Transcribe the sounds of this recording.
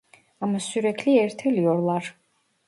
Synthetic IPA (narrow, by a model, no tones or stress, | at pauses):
amasyɾɛcʰliɛɾt̪ʰelijoɾlˠaɾ